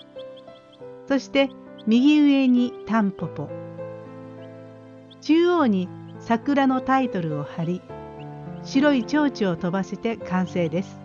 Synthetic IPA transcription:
so̞ɕi̥t̪e̞mʲiɡʲiɯ̟e̞ɲ̟it̪ãmpopo | t͡ɕɨːo̞ːɲ̟i | sakɯ̟ɾano̞t̪ait̪o̞ɾɯ̟o̞haɾʲi | ɕiɾo̞it͡ɕo̞ːt͡ɕio̞t̪o̞baset̪e̞kãɰ̃se̞ːd̪e̞sɨ̥

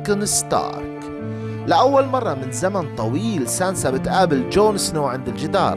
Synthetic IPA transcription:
kɪnst̪ɑ̰ːɾk | lɪʔawːalmɑrˤːɑmɪnzamant̪ˤɑwiːlsaːnsabɪt̪ʔaːbɪld͡ʒoːnɪsnoːʕɪnd̪ɪld͡ʒɪd̪ɑ̰ːɾˤ

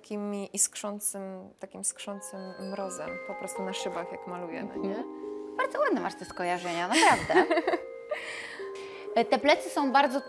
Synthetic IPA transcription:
kʲimʲiʔiskʂɔnt̪sɘmt̪akʲimskʂɔnt̪sɘmːɾɔzɛmpɔpɾɔst̪unaʂɘbaxjakmalujɛ̰n̰ɲɛb̥aɾd̪zɔwad̪nɛmaʂt̪ɛskɔjaʐɛɲanapɾavd̪ɛ | t̪ɛplɛt̪sɘsɔ̃w̃baɾd̪zɔ

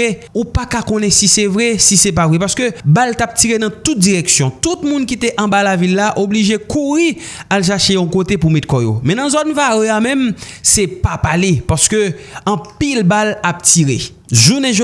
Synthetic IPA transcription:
eupakakõnɛ̃sisɛvʁɛsisep̬avʁɛpaʁskøbaltap̚tiʁenɐ̃t̪ut̪̚d͡ziʁɛksjɔ̃t̪ut̪mũnkit̪eʔɐ̃balavilːaʔobliʒekuʁi | alʃ̬ɛʃejɔ̃kot̪epumɛt̪̚kɔjo̰mɛ̃nɐ̃zɔnvaɣeamɛ̃msepapalepaskøɐ̃pilbalap̚tiʁe | ʒunɛ̃ʒ

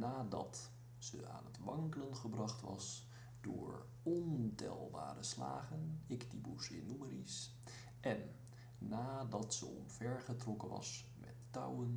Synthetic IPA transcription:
naːdɑt | səa̰ːnɦətʋɑŋkələnχəbrɑχtʋɑs | dʊːɹ | ɔntɛ̰lˠbaːɾəsla̰ːχənɪktibusɪnuməɾis | ʔɛnː | aːdɑtsə̰ɔmvɛɹχətrɔkənʋɑ̰s | mɛ̰tːʌ̰wən

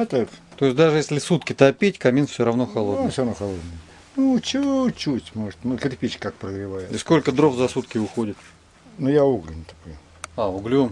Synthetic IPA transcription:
ɐt̪akt̪oɪsʲd̪aʐɨjesʲlʲɪsut̪kʲɪt̪ɐpʲetʲkɐmʲinfʲsʲoɾɐvnoxɐlˠofsʲoɾɐvnoxɐlˠod̪nəjə | nut͡ɕɪot͡ɕutʲmoʐət̪mɨk̪ʲɾʲpʲit͡ɕkkak̚pɾəɡɾʲɪvajɪiskolʲkəd̪ɾofzɐsut̪kʲɪʊxo̞dʲɪt̪ | nʊjauɡlʲɪnʲɪt̪ɐ̥kojʊ | aʊɡlʲu

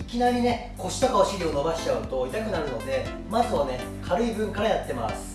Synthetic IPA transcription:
ikʲinaɾʲine̞ | ko̞ɕi̥t̪akaaɕiɾʲio̞no̞baɕi̥t͡ɕaɯ̟t̪o̞it̪akɯ̟naɾɯ̟no̞d̪e̞ | mazɨβane̞ | kʰaɾɯ̟ibɯ̟̃ŋkaɾajat̪ːe̞masɨ̥

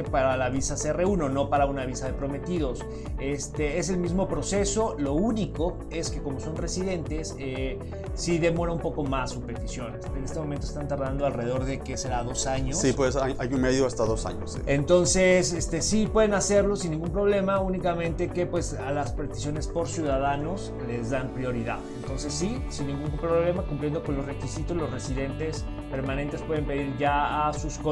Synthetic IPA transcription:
epaɾalaβisasere̞uno̞no̞paɾaunaβ̞isaðe̞pɾo̞me̞t̪iðo̞s | e̞st̪ee̞selmizmo̞pɾo̞se̞so̞lo̞uniko̞ | e̞ske̞ko̞mo̞so̞nre̞siðe̞nt̪e̞s | eː | iðe̞mo̞ɾaumpo̞ko̞masːuspe̞t̪isjo̞nesene̞st̪emom̃nt̪oest̪ant̪aɾðand̪oalre̞ðo̞ɾðe̞keseɾaðo̞saɲosipwesajʔajunmeðjoast̪aðosa̰ɲosḭent̪o̞nse̞sest̪e̞sipwe̞ðenase̞ɾlo̞sinːĩŋɡumpɾo̞βle̞maunikamẽ̞nt̪e̞ke̞pwe̞s | alaspɾe̞t̪i̥sjo̞ne̞spo̞ɾsjuðaðano̞s | le̞zðampɾjo̞ɾiða̰ðent̪o̞nse̞sːisinːĩŋɡuŋpɾoβle̞makumplje̞nd̪o̞ko̞nlo̞sre̞kisit̪o̞slo̞sre̞siðe̞nt̪e̞s | pe̞ɾmãne̞nt̪e̞spwe̞ðe̞mpe̞ðiɾʝaasusko

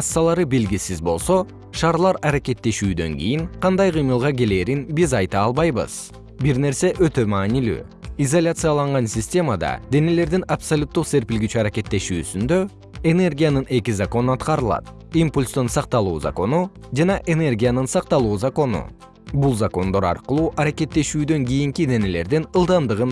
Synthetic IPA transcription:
ɑsːɑlˠɑɾɯbelɡʲisizbo̞lˠso̞ | ʃɑːɾlˠɑɾɑɾake̞t̪ːe̞ʃyːd̪ø̞̰ŋɡḭjiŋqʰɑnd̪ɑjqɯjmɯlˠʁɑke̞le̞ːɾinbizɑjt̪ɑːlˠβɑjbɯ̰z̥ | biɾne̞ɾse̞ʔø̞t̪ø̞mɑːnily̰ː | izolʲat̪sɨjalˠɑɴʁɑnsʲɪsʲtʲe̞mad̪ɑ̰d̪e̞ne̞le̞ɾd̪inapsolʲut̪ːuqse̞ɾpilɡit͡ʃyaɾake̞t̪ːe̞ʃyːsynd̪ø̞ | ene̞rɡʲijanɯne̞kizako̞nuɑt̪qɑɾɯlˠɑ̰t̪ | impulʲst̪onsɑq̚t̪ɑlˠuːza̰ko̞nu | d͡ʒɑnɑʔe̞ne̞rɡʲijanɯnsɑq̚t̪ɑlˠuːzako̞nṵ | bulˠzako̞nd̪o̞ɾɑ̰ɾqɯlˠuːʔɑɾake̞t̪ːe̞ʃyːd̪ø̞ŋɡʲijiŋkid̪e̞ne̞le̞̰ɾd̪inɯlˠd̪ɑnd̪ɯʁɯn

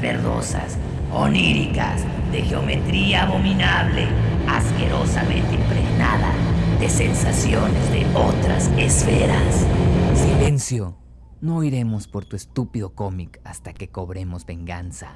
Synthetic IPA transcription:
eɾðosas | oniɾikas | ðe̞xeo̞me̞t̪ɾiaːβo̞minaβleaskeɾo̞samẽnt̪eimpɾeɣnaða̰ðe̞sensasjonezðeot̪ɾasesfeɾassile̞nsjo̞ | nojɾe̞mo̞spoɾt̪uest̪upiðo̞ko̞mikast̪akeko̞βɾe̞mo̞zbe̞ŋɡansa

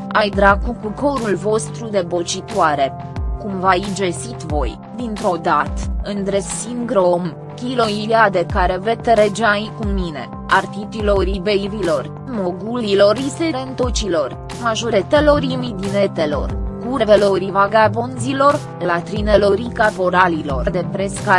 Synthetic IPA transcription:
ajd̪ɾaɡukuko̞ɾulvo̞st̪ɾud̪e̞bo̞t͡ʃit̪waɾe̞ | kumvajid͡ʒesit̪vo̞̰j | d̪int̪ɾo̞d̪at̪ɨnd̪ɾesiŋɡɾom | kʲilo̞ilad̪e̞kaɾe̞ve̞t̪ɾed͡ʒeaikumine̞̰ | art̪it̪iloɾibeivilo̞r | moɡulilo̞ɾist̪eɾent̪ot͡ʃilo̞r | maʒoɾet̪e̞lo̞ɾimid̪inet̪elo̞̰rkuɾeveloɾivaɡabonzilo̞r | lat̪ɾinelo̞ɾikapoɾalilo̞rd̪e̞pɾeska

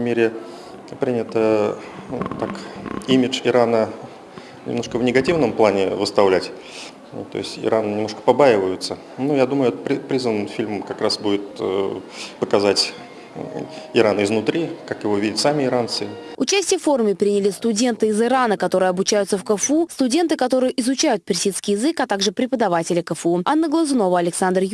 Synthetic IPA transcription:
mʲeɾʲɪ | pɾʲinʲɪt̪ə | t̪akimʲɪt͡ʂɪɾanə | nʲɪ̰mnoʂkəvnʲɪɡɐtʲivnəmplˠanʲɪvəst̪ɐvlʲætʲ | t̪o̰ɪsʲtʲɪ̰ɾʔannʲɪmnoʂkə̥pɐbajɪvəjʊt̪sə | nujad̪uməjʊɛt̪əpʲipɾʲizvənːfʲilʲmkɐkɾasbudʲɪt̪̚ | pəkɐzatʲ | ɪɾanɪznʊt̪ɾʲikakjɪvo̞vʲidʲɪtʲsamʲɪɪɾant̪sɨʊt͡ɕæsʲtʲɪjəfo̞rʊmʲɪpɾʲinʲɪlʲɪst̪ʊdʲe̞nt̪ɨɪzɨɾanəkɐt̪o̞ɾɨjəɐbʊt͡ɕæjʊt̪səfkəfust̪ʊdʲe̞nt̪ɨkɐt̪o̞ɾɨjəʔɪzʊt͡ɕæjʊt̪̚pʲɪrsʲit̪skʲɪjɪzɨkɐt̪aɡʐɨpɾʲɪpəd̪ɐvatʲɪlʲɪkəfuɐnːəɡlˠəzno̞vəɐlʲɪksand̪r

